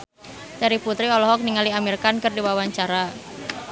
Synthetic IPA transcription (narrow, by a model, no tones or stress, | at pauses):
taɾiput̪ɾiɔlɔɦɔk̚niŋaliamirkankərdiwawaɲt͡ʃaɾa